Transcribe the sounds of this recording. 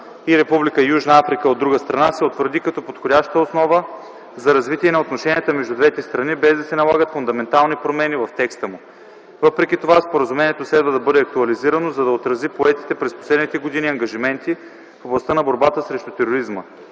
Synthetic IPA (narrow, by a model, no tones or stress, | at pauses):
iɾɛpublikəijuʒnɐafɾikəod̪ːɾuɡəst̪ɾɐnasɛot̪vəɾd̪ikɐt̪ɔpot̪xodʲaʃt̪əosnɔvə | zɐɾɐzvit̪ʲiɛnɐot̪noʃɛniɛt̪əmɛʒd̪ud̪vɛt̪ɛst̪ɾɐnibɛzd̪ɐsɛnɐlˠaɡət̪fund̪ɐmɛnt̪alˠnipɾomɛnivɐft̪ɛkst̪əmu | vɤpɾɛkʲit̪ovaspoɾəzumɛnʲiɛt̪oslɛd̪vəd̪ɐbɤd̪ɛɐk̚t̪uɐliziɾɐnozɐd̪ɐot̪ɾɐzipoɛt̪i̥t̪ɛpɾɛspo̥slɛd̪nit̪ɛɡod̪iniɐŋɡɐʒimɛnt̪i | foblˠɐst̪anɐboɾbat̪əsɾɛʃt̪ut̪ɛɾoɾizmə